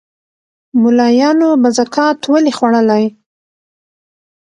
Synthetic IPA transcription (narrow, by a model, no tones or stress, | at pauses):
mʊlɑjɑnobazakʰɑt̪wəlexwaɽəlaj